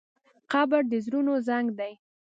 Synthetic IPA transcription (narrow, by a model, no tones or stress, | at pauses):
qɑbəɽd̪əzɾunozaŋɡd̪aj